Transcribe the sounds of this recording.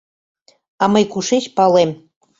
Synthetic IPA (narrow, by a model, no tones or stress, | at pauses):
ɑməjkuʃeɕpɑlem